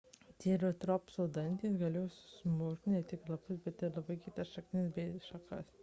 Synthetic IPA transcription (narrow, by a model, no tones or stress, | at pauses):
t̪ʲiːɾɐt̪ɾoːpsɐʊd̪ɐnʲt̪ʲiːsɡɐlʲeːjoːsʲɪsmoːkʲt̪ʲnʲɛt̪ʲɪklˠɐpʊsbʲɛt̪ɪɾlˠɐbɐɪkʲɪt̪ɐsʃɐkt̪ʲɪnʲɪsbʲɛɪʃɐkɐs